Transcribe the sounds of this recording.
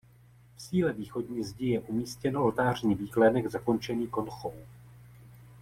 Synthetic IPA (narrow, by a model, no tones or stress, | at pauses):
fsiːlɛviːxo̞dɲiːzɟɪjɛʔumiːscɛnoolt̪aːr̝ɲiːviːklɛdɛɡzako̞nt͡ʃɛniːko̞nxow